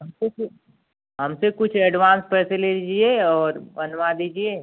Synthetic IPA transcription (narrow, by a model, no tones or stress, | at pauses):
ɦɐmsekʊ | ɦɐmsekʊt͡ʃʰɛɖʋãːnspɛːseleːlid͡ʒieɔːɾbɐnʋad̪iːd͡ʒieː